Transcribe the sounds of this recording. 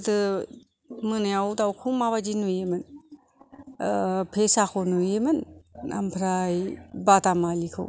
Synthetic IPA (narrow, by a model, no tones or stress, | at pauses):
tɯ | mɯnajawdawkʰumaβad͡ʒinujemɯn | pʰesakʰɔnujemɯnːa̰mpʰɾajbatamalikʰɯ̰w